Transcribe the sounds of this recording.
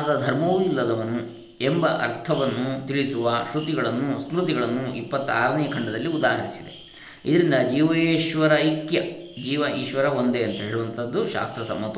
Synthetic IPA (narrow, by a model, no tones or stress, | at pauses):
d̪ɐd̪ʱɐɾmɐːʋuilːɐd̪ɐʋɐnːu | embɐʔɐ̰ɾt̪ʰɐʋɐnːut̪iɭisuʋɐʃɾut̪iɡɐɭɐnːuskɾut̪iɡɐɭɐnːuipːɐt̪ːaːɾɐnijɐkʰɐɳɖɐd̪ɐlːiud̪aːɦɐɾisid̪e̞ | ḭd̪ɐɾind̪ɐd͡ʒiːʋɐeːʃʋɐɾɐikjɐ | d͡ʒiːʋɐʔiːʃʋɐɾɐo̞nd̪eɐnt̪ɐɦeːɭuʋɐnt̪ʰɐd̪ːuʃa̰ːst̪ɾɐsɐmːɐt̪ːɐ